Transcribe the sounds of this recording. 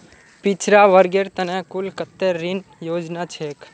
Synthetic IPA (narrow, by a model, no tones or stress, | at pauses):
pit͡ʃʰɾaʋəɾɡeɾt̪ənẽkulkət̪ːeɾːinjoːd͡ʒnat͡ʃʰeːk